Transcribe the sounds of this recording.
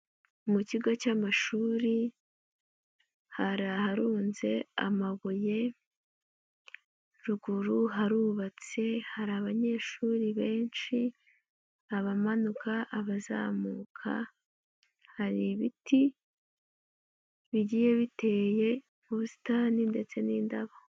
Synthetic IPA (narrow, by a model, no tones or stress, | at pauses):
umuciɡat͡ʃamaʃuːɾi | haɾahaɾuːnze̞a̰maβoje̞ | ɾuɡuɾuɦaɾuːβat͡se̞haɾaβaɲe̞ʃuːɾiβe̞ːnʃi | aβamanukʰaʔaβaza̰ːmuːkʰa̰ | haɾiβiti | βiɟiːje̞βite̞ːje̞ | muβusi̥taninde̞t͡se̞niːndaβa